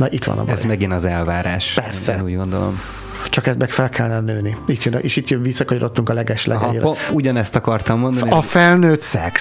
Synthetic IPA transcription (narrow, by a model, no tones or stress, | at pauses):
nɒʔit̪ʋɒ̰nɒ̰bɛzmɛɡinɒzɛlvaːɾaːʃpɛrsɛuːɟɡo̞nd̪o̰lo̰m | t͡ʃɒkɛzbɛkfɛlkʰɛlːnɛnøːniit̪jønʔeːʃit̪jøʋisːɒkɒɲoɾo̞t̪ːuŋkɒlɛɡɛʃlɛ̰ɡ̰ḭɾouɟɒnɛst̪ɒkɒrt̪ɒmːond̪nɒfɛlnøːt̪sɛk